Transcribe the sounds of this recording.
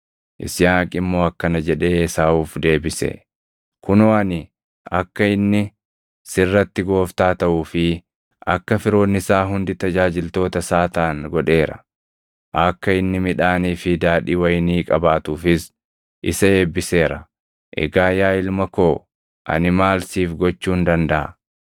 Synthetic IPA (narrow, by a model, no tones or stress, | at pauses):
ʔɪ̰sɪjaːkʼɪmːo̞ːɐkːɐnɐd͡ʒɛᶑe̞ːsaːuːfd̪e̞ːbɪsɛ̰ | kʊnoːɐnɪ | ɐkːɐɪnːɪ | sɪrːɐt̪ːɪɡo̞ːft̪aːt̪ɐʔuːfɪ | ɐkːɐfɪɾo̞ːnːɪsaːɦʊnd̪ɪt̪ɐd͡ʒaːd͡ʒɪlt̪o̞ːt̪ɐsaːt̪aːŋɡɔᶑe̞ːɾɐ | ʔɐkːɐɪnːɪmɪᶑaːniːfɪd̪aːᶑiːwɐjniːkʼɐbaːt̪uːfɪs | ʔɪsɐe̞ːbːɪse̞ːɾɐ | ʔɛ̰ɡaːjaːɪlmɐko̞ː | ʔɐ̰nɪmaːlsiːfɡɔt͡ʃːuːnd̪ɐnd̪ɐʔɐ̰